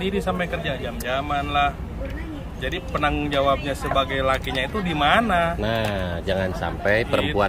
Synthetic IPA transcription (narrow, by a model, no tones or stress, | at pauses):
diɾisampajkərd͡ʒad͡ʒamd͡ʒamanlah | d͡ʒadipənaŋd͡ʒawap̚ɲasəbaɡajlakiɲait̪udimananad͡ʒaŋansa̰mpɛjpəɾəmpua